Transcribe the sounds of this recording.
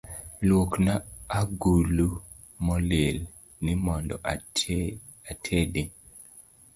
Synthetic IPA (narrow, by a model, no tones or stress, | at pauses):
lwoknaːɡulu | mɔlel | nɪmɔndɔ̰ʔ | atʰedi